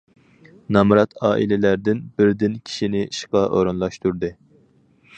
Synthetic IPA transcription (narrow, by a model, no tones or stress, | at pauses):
nɑmɾɑt̪ʰɑːʔilɪlæɾd̪ɪnbɪɾd̪ɪnkʲʰi̥ʃinɪiʃqɑʔoɾunlˠɑʃt̪uɾd̪ɨ